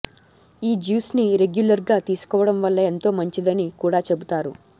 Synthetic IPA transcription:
iːd͡ʒuːsniɾe̞ɡjulɐɾɡaːt̪iːsu̥kɔːʋɐɽɐmʋɐlːɐe̞nt̪o̞ːmɐɲt͡ʃid̪ɐnikuːɽaːt͡ʃe̞but̪aːɾṵ

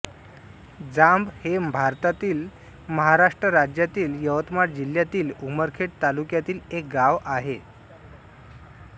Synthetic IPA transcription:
d͡zambhebʱaɾt̪at̪iːl | məɦaɾaʂʈɾəɾad͡ʑjat̪iːljəʋət̪maʈd͡ʑil̤jat̪iːluməɾkʰeʈ̚t̪alukjat̪iːlek̚ɡaʋaɦe

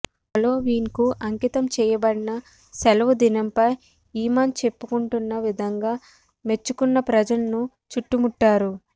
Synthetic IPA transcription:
pɐlo̞ːʋiːnkuʔɐŋkit̪ɐmt͡ʃɛːjɐbɐɽinɐ | sɛlɐʋud̪inɐmpɐj | iːmaːnt͡ʃe̞pːukuɳʈunːɐʋid̪ʱɐŋɡaː | me̞t͡ʃːukunːɐpɾɐd͡ʒɐlɐnu | t͡ʃuʈːumuʈːaːɾu

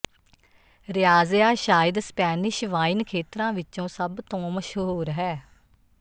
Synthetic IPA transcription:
ɾɪjaːzjaːʃaːɪd̪spɛːnɪʃʋaːɪnkʰeːt̪ɾãːʋɪt͡ʃõːsəbt̪õːməʃɦuːɾɦɛː

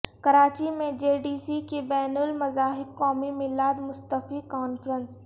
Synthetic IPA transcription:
kɐɾaːt͡ʃimẽd͡ʒeːɖiːsikibɛːnəlmɐzaːɦɪb̚kɔːmimɪlaːd̪mʊst̪əfikɔːnfʰɾə̃ns

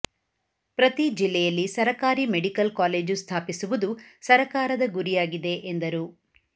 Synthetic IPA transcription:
pɾɐt̪id͡ʒilːɛjɐlːisɐɾɐkaːɾimeɽikɐlkaːleːd͡ʒust̪ʰaːpisuʋud̪usɐɾɐkaːɾɐd̪ɐɡuɾijaːɡid̪e̞ʔend̪ɐɾu

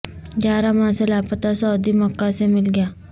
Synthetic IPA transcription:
d͡ʒaːɾamãselaːpət̪asɔːd̪imɐkːasemɪlɡəjaː

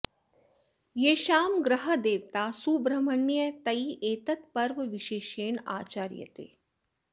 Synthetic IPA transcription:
jeːʃaːmɡɾəɦəd̪eːʋt̪aːsubɾɐmənjət̪ɐiʔeːt̪ət̪pɐɾʋʋɪʃeːʃeːɳa̰ːt͡ʃaːɾjə̰t̪ḛː

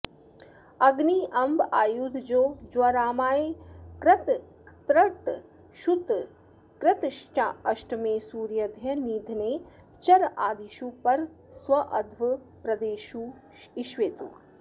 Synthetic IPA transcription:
ɐɡniʔɐmbaːjuːd̪ʱd͡ʒoːd͡ʒwɐɾaːmaːekɾɐt̪ | t̪ɾɐʈ | ʃut̪ | kɾɪt̪ʃt͡ʃaɐʃʈmẽːsuːɾjɐd̪ʱjɐniːd̪ʱneː | t͡ʃɐɾaːd̪iʃuːpɐɾ | swɐʔɐd̪ʱʋɐ | pɾɐd̪eːʃuː | iʃʋeːt̪ṵː

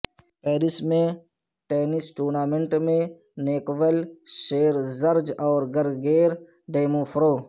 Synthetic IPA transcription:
peːɾɪsmẽ | ʈeːnɪsʈuːɾnaːmẽɳʈmẽ | neːkʋəlʃeːɾzəɾd͡ʒɔːɾɡɐɾɡeːɾ | ɖeːmoːfɾoː

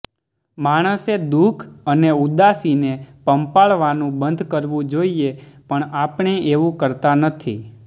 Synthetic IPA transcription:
maɽ̃əsed̪ukʰəneud̪asinepəmpaɭʋanũbənd̪ʱkəɾʋũd͡ʒoiepəɳapɳ̃eʔeʋũkəɾt̪anət̪ʰi

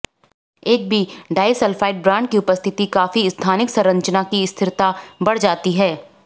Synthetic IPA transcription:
eːk̚bʱiɖaːɪsəlfaːɪʈ̚bɾãːɳɖkiʊpəst̪ʰɪt̪ikaːfiɪst̪ʰaːnɪksɐɾɐ̃ɲt͡ʃnakiɪst̪ʰɪɾt̪abɐɽ̤d͡ʒaːt̪iɦɛː

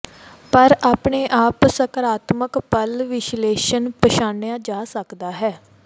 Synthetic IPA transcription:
pəɾaːpɳeːʔaːpsəkəɾaːt̪məkpəlʋɪʃleːʃənpəʃaːnejãːd͡ʒaːsəkd̪aːɦɛː

